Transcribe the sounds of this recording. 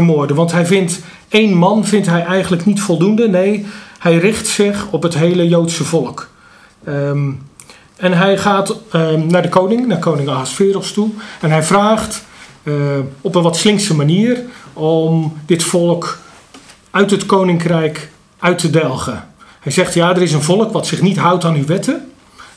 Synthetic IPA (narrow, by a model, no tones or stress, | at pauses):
əmʊːɹdəʋɑntɦɛjvɪnt | ejnmɑnvɪntɦɛjɛjɣənləknitfɔlˠdundənejhɛjrɪχtsɪχɔpɦətɦejləjowtsəvɔlˠək | ɛnɦɛjχaːtnaːɹdəkownɪŋnaːkownɪŋaɦasfɪːɾɔxstuɛnɦɛjvraːχt | ɔpənʋɔtslɪŋsəmaniːərɔmdɪtfɔlˠək | œɥtətkownɪŋkrɛjk | ʔœɥtʰədɛlˠχəhɛjzɛχtjaːdərɪs̬ənvɔlˠəkʋɔtsɪχnitɦʌwtaːnyʋɛtə